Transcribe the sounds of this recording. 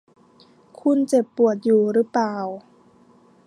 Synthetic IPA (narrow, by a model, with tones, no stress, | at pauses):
kʰu˧˥nt͡ɕe˨˩pːu˨˩ət̪̚juː˨˩ɾɯ˦˥plaː˨˩w